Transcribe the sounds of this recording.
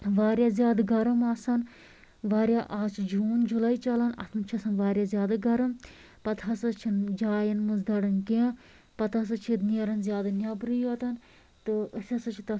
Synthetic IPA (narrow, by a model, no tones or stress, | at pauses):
ʋaːɾʲjazjaːd̪ɐɡɐɾɐmɐsɐn | ʋaːɾʲjaʔaːt͡ʃʰd͡ʒuːnd͡ʒulɐit͡ʃɐlɐnɐ̰t̪ʰɨnt͡ʃʰɐsɐnʋaːɾjazjaːd̪aɡɐɾɨm | pɐt̪ʰɦɐsɐt͡ʃʰind͡ʒaːjɐnmɨzd̪ɐɽɐnkẽ | pɐt̪ʰɐs̬ɨt͡ʃʰid̪niɾɐnzʲjaːd̪anʲɐbɾɨjoːt̪ɐn | t̪ɨəsʲɐsɐt͡ʃʰit̪ɐ